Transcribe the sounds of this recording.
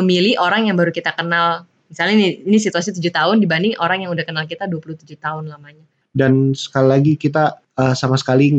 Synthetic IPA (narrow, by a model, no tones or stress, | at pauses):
əmiliʔoɾaŋjaŋbaɾukit̪akənal | misalɲaniːnisit̪uasit̪ud͡ʒuht̪aɦʊndibandɪŋʔoɾaŋjaŋudahkənalkit̪aduapuluht̪ud͡ʒut̪aʊnlamaɲa | dansə̥kalilaɡikit̪̬a | əsamasə̥kali